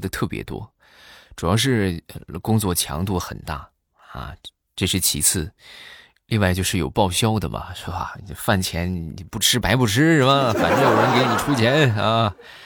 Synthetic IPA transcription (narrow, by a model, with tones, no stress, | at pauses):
d̪ə˨t̪ʰɤ˥˩pjɛ̰˧˥t̪wɔ̰˥ | ʈ͡ʂu˨˩jɑ˥˧ʊʂ̬ɻ̩˥˩kʊ˥ŋt͡swɔ˥˩t͡ɕʰjɑ̰˧˥ŋt̪u˥˩xə̰˨˩nt̪a̰˥˩ | ɐ̰˧˩ | ʈ͡ʂɤ˥˧ʂɻ̩˥˩t͡ɕʰi˧˥t͡sʰɹ̩˥˩ | li˥˧ŋwa˥˧ɪt͡ɕjo˥˧ʊʂɻ̩˥˩jo˨˩ʊpɑ˥˩ʊɕjɑ˥ʊd̪ə̰˨mɐ̰˩ʂɻ̩˥˩bɐ̰˨˩˧fa˥˩nt͡ɕʰjɛ˧˥n˨pu˥˩ʈ͡ʂʰɻ̩˥pa˧˥ɪpu˥˩ʈ͡ʂʰɻ̩˥ʂɻ̩˥˩bɐ˨˩fa̰˨˩nʈ͡ʂɤ˥˩wɔ˨˩mə˧˥nke˧˥ɪni˨˩ʈ͡ʂʰu˥t͡ɕʰjɛ˧˥na˧